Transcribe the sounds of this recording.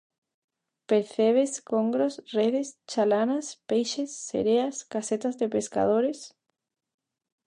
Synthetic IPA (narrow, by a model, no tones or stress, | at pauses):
peɾθeβ̞eskoŋɡɾosreðest͡ʃalanaspejʃesːḛɾeaskaset̪azðepeska̰ðoɾes